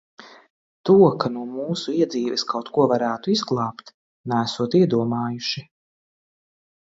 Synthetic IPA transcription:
t̪uɔkanuɔmuːsuiɛd̪ziːvɛskawt̪kuɔvaɾæːt̪uizɡlˠɑːpt̪ | næːsuɔt̪iɛd̪uɔmaːjuʃi

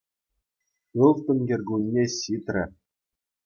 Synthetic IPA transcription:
ɯlˠt̪ɘ̆nʲɡʲĕrʲɡunʲːeɕit̪rʲɘ̆

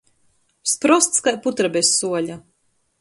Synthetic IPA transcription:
spɾɔst̪skajput̪ɾabesːuɔlʲa

